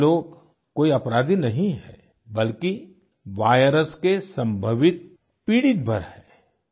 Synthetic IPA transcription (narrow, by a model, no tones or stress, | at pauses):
loːɡ | koːiɐpɾaːd̪inɐɦĩɦɛː | bɐlki | ʋaːjɾəskesɐ̃mbʱəʋɪt̪̚ | piːɽɪt̪̚bʱəɾhɛː